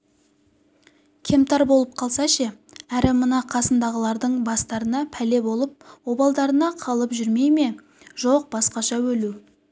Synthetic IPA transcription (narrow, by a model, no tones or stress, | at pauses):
kʲʰe̞mt̪ɑɾbo̞lˠəp̚qʰɑlˠsɑʃeæɾɪmənɑqʰɑsənd̪ɑʁəlˠɑɾd̪əɴbɑst̪ɑɾənɑpʰæle̞bo̞lˠəp̚wobɑlˠd̪ɑɾənɑqʰɑlˠəpʒʏɾme̞jme̞ | ʒoq̚bɑsqɑʃɑwɵlu